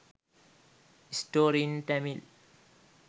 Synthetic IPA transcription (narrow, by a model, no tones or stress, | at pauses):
isʈoːɾiə̃nʈɛmil